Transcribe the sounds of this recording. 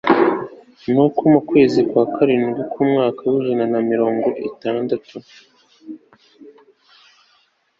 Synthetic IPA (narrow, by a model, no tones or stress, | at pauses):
nukumukwe̞ːzikwaːkʰaɾiːmɡukumŋaːkawiʒananamiɾo̞ːŋɡo̞ʔitaːndatʰu